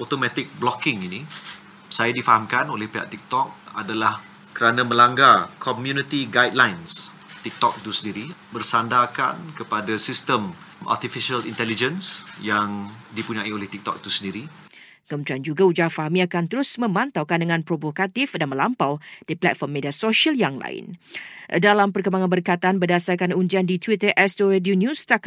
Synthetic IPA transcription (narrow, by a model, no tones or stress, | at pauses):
ot̪omãt̪ɪk̚blɔkɪŋinĩ | sajadifaɦamkanolɛhpeɦa̰ʔt̪ik̚t̪ɔk̚a̰dalah | kəɾanãmə̃laŋɡakʰɔmjunit̪iɡajd̚lajns | t̪ik̚t̪ɔk̚it̪usəndiɾibərsandaka̰nkəpadasist̪əm | ʔa̰rt̪ifiʃalḭnt̪ɛlid͡ʒənsjaŋdipuɲãiolɛht̪ik̚t̪ɔ̰k̚t̪usəndiɾi | kəmə̃nt̪ɾiand͡ʒuɡaud͡ʒafaɦamiakant̪əɾʊsmə̃mãnt̪awkandəŋãnpɾovokat̪ɪfdanmə̃lampawd̥iplɛt̚fɔrmːediasoʃialjaŋla̰ɪ̰ndalampərkəmaŋanbərkat̪anbədasarkanund͡ʒiandit̪wit̪əʔɛstoɾedionjũst̪ak